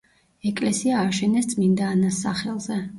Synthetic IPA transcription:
ɛkʼlɛsiaːʃɛnɛst̪sʼmind̪aːnasːaχɛlˠzɛ

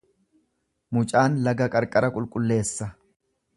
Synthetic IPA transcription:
mʊt͡ʃʼaːnlɐɡɐkʼɐɾkʼɐɾɐkʼʊlkʼʊlːe̞ːsːɐ

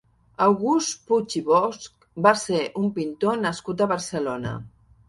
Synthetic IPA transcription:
awɣustput͡ʃiβɔsk | baseʔumpint̪onəskut̪̬əβəɾsəlonə̰

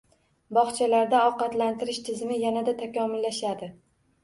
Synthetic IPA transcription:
bɒχt͡ʃʰalaɾd̪aɒqɑt̪lant̪ʰɪɾɪʃt̪ʰɪzɪnɪjanad̪at̪ʰakʲɒmɪlːaʃad̪ɪ

